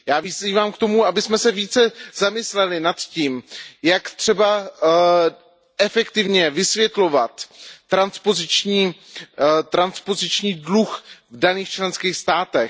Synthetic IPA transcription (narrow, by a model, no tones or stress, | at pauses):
jaːvɪziːvaːmkt̪o̞muabɪsmɛsɛviːt͡sɛzamɪslɛlɪnat̪ciːmjakt̪r̝̥ɛba | ʔɛfɛkt̪ɪvɲɛvɪsvjɛt̪lo̞vat̪ːɾanspo̞zɪt͡ʃɲiː | t̪ɾanspo̞zɪt͡ʃɲiːdluxvdaniːxt͡ʃlɛnskiːxst̪aːt̪ɛ